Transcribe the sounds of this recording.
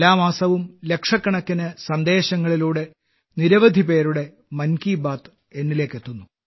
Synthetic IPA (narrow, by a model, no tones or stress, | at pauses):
laːmaːsɐʋumle̞kʂɐkːɐɳɐkːinɨsɐnd̪e̞ːɕɐŋːɐɭiluːɽe̞ | niɾɐʋɐd̪ʱipe̞ːɾuɽe̞ | mɐnkiːbaːt̪ | e̞nːile̞ːkːe̞t̪ːunːu